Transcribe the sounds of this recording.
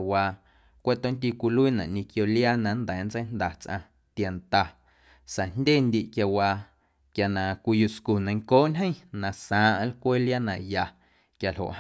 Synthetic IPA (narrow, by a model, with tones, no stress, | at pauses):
waː˧˨ | kʷe˦t̪õ˦nt̪i˧kʷi˧lu˦i˦˨nã̰˨ʔɲĩ˧kjo˧ljaː˦nã˨˦nd̪ɛ˨˦nt͡sə˦nd̪a˨t͡sʔã̰˧ | t̪a˨nt̪a˧ | sa˨n̥dʲeː˦˨nd̪i˧ʔkja˧waː˧ | kja˨nã˨kʷi˧ju˧sku˨nã˧˦ŋkoː˦ʔnʲɦə̃˦j̃nã˨sãː˨˦ʔa˧˦lkʷe˦lja˦nã˨ja˨ | kja˨lɦo̰˨ʔ